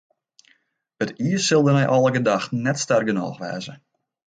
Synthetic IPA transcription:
ətiəsɪlˠdənɛjʔɔlˠəɡədaxtnɛtstɛrɡənɔ̰ːxʋɛ̰ːzə

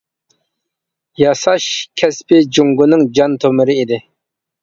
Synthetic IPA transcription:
jɑsɑʃkʲʰɛspɪd͡ʒuŋɡʊnɨŋd͡ʒɑnt̪ʰomɪɾɪid̪ɪ

